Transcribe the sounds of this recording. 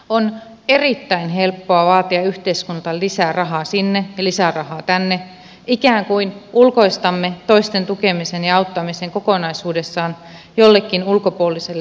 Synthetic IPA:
on | erit̪ːæinɦelpːoɑʋɑːt̪iɑyht̪eiskunt̪ɑlisærɑɦɑːsinːejɑlisærɑhɑːt̪ænːe | ʔikæːŋkuinulkoist̪ɑmːet̪oist̪ent̪ukemisenjɑɑut̪ːɑmiseŋkokonɑisuːdesːɑːn | jolːekːinulkopuolːˑiselː

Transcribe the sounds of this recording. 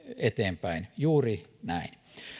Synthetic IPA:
et̪eːmpæinjuːrinæin

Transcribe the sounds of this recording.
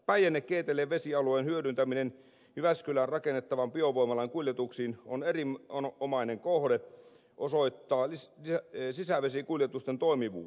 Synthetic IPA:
pæjænːekkːeːt̪eleːʋesiɑlueːnhyødynt̪æminen | hyʋæskylænrɑkenːet̪ːɑʋɑmpioʋoimɑlɑiŋkuljet̪uksiːnonerimoomɑineŋkohde | ʔosoit̪ːɑːiiæsisæʋesikuljet̪ust̪ent̪oimiʋṵː

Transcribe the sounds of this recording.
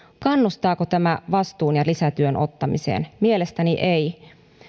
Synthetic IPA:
kɑnːust̪ɑːkot̪æmæʋɑst̪uːnjɑlisæt̪yønʔo̞̰t̪ːɑmḭsḛːnmielest̪æniʔei

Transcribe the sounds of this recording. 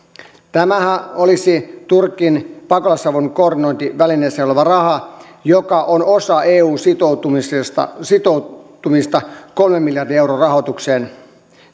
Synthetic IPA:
t̪æmæhæolisit̪urkːinpɑkolɑsɑʋunko̞ːrdino̞jnt̪iʋælineseleʋɑrɑhɑ | jokɑʔono̞sɑeːuːsit̪ot̪usst̪ɑ̰sit̪ot̪umist̪ɑko̞lmemːiljɑrdiewɾoːrɑɦot̪ukseːn

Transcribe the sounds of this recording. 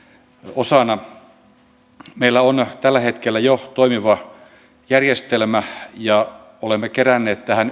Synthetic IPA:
osɑnɑ | meilːæont̪ælːæhet̪kelːæjot̪oimiʋɑ | jærjest̪elmæjɑ | olemːekerænːeːt̪t̪æhæn

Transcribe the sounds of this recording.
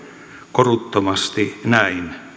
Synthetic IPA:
korut̪ːomɑst̪inæin

